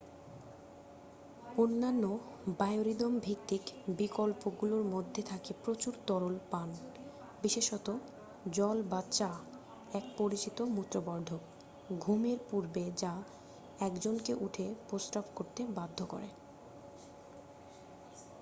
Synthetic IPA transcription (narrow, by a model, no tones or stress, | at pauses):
onːanːobaeoɾid̪ɔmbʱikt̪ikbikolpoɡuloɾmod̪ʱːet̪ʰakepɾot͡ɕuɾt̪ɔɾolpan | biʃeʃɔt̪o | d͡ʑɔlbat͡ɕa | ɛk̚poɾit͡ɕit̪omut̪ːɾobɔɾɖʱok | ɡʱumeɾpuɾbed͡ʑa | ɛkd͡ʑonkeʔuʈʰeposʈabkoɾt̪ebad̪ʱːoko̰ɾḛ